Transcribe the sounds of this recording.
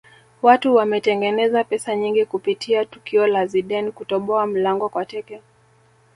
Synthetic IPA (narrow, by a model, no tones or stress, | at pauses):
watuwamɛtɛŋɡɛnɛzapɛsaɲiŋɡikupitʰiatukiɔlaziɗɛnkutɔɓɔam̩laŋɡɔkwatɛkɛ